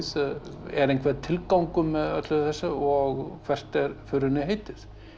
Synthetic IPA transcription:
θðɛ̰ɾejnkʰvɛɾt̪ʰɪlkawŋkʏmːɛðœ̰t̪lʏθɛsːaɔɣkʰv̥ɛr̥t̪ɛɾfʏɾɪnɪɦeːjt̪ɪð

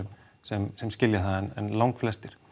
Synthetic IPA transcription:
sɛmsɛmscɪljaθaðaɛnɛ̰nlawŋkflɛst̪ɪɾ̥

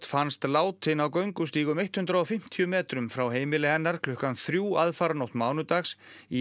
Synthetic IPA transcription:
t̪fanst̪laːwt̪ʰɪnawkœɥŋkʏst̪iːɣʏmejht̪hʏnd̪ɾaɔfɪm̥t̪ʰijʏmɛːt̪ɾʏmfɾawɦeːjmɪlɪhɛnːaɾkʰlʏhkanθɾjuːaðfaɾnowht̪maːwnʏt̪axsi

